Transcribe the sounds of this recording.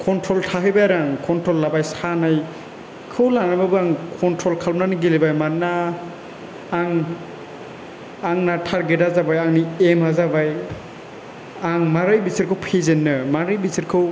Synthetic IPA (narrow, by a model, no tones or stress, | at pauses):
kʰɔntʰɾɔltʰaɦɯjbajaɾaŋkʰɔntʰɾɔlːabajsanaj | kʰɯwlanababɯaŋkʰɔntʰɾɔlkʰalmnanɯɡilebajmanːa | ŋ | aŋnatʰaɾɡedazabajaŋniemhazabaj | aŋmaɾɯjbisɯɾkʰɯwpʰezenːɯmaɾɯjbisiɾkʰɯw